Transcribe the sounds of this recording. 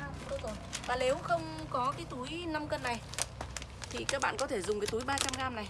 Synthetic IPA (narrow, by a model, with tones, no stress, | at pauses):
o˧˩zo˨˩jvaː˨˩ne˨˦wxə˧wŋ͡mkɔ˨˦kaː˨˦jt̪u˨˦jna˧mkə˧nːa˨˩j | t̪ʰi˨˩kaː˦˥k̚ɓa̰ː˧˨nkɔ˨˦t̪ʰe˧˩zʊ˨˩ŋ͡mkaː˨˦jt̪u˨˦jɓaː˧t͡ɕa˧mɣaː˧mna˨˩j